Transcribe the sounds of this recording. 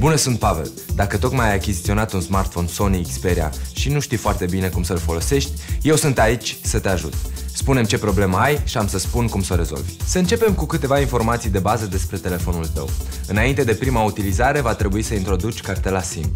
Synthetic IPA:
bunəsunt̪̚pave̞̰l | d̪akət̪o̞kmajajakʲizit̪sio̞nat̪unsmart̪fo̞nso̞niːkspe̞ɾia̰ʃinuʃt̪ijfoart̪e̞bine̞kumsəlfo̞lo̞se̞ʃt̪ʲje̞wsɨnt̪ait͡ʃʲsət̪e̞aʒṵt̪spune̞mt͡ʃe̞pɾo̞ble̞məajʃiamsəspunkumsoɾe̞zo̞̰lvʲsəɨnt͡ʃe̞pe̞mkukɨt̪e̞vainfo̞rmat̪sijd̪e̞bazəd̪e̞spɾe̞t̪e̞le̞fo̞nult̪ə̰w | ɨnaint̪e̞d̪e̞pɾimaut̪ilizaɾe̞vat̪ɾe̞buisəint̪ɾo̞d̪ut͡ʃʲkart̪e̞lasḭm

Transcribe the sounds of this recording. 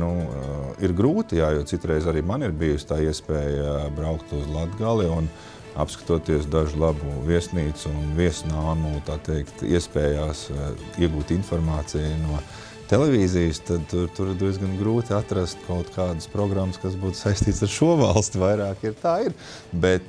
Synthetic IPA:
nuiɾɡɾuːt̪ijaːjuɔtsit̪ɾɛɪzaɾiːmaniɾbijʊsʲt̪aːiɛspɛːjbɾaʊkt̪uzlˠad̪ɡalˠiun | a̰pskḁt̪uɔt̪iɛs̬d̪aʒʊlˠabuviɛsniːt̪sunviɛsnaːmuːt̪aːt̪ɛɪkt̪ḭɛspɛːjaːsiɛɡuːt̪infɔɾmaːt̪sijnuɔ | t̪elɛviːzijst̪ad̪̚t̪uɾt̪uɾd̪iɛzɡanɡɾuːt̪iat̪ɾast̪kʰaʊt̪kʰaːd̪əspɾɔɡɾamːskasbuːt̪sajst̪iːt̪saɾʃuɔvalˠst̪uvajɾaːkiɾt̪aːiɾ | bɛt̪

